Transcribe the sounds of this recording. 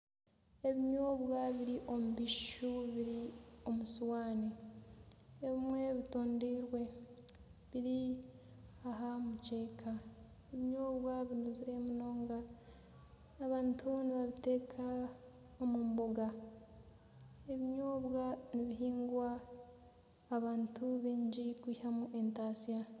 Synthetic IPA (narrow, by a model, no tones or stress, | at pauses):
e̞βiɲoːβwaβiɾiʔo̞muβiʃuβiɾio̞musuwaːni | eβimwe̞βitoːndiːɾwe̞ | βiɾi | aɦamuce̞ːkʰa | eβiɲoːβwaβinuziɾe̞muno̞ːŋɡa | βaːntʰuniβaβite̞ːkʰa | omuːmboɡa | e̞βiɲoːβwaniβiɦiːŋɡwa | βaːntuβiːɲɟikwihamuʔe̞ntaːsija